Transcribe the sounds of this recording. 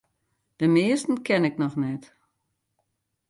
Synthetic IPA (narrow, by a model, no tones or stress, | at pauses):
d̥əmɪːəstən̩kʰɛnɪknɔxnɛt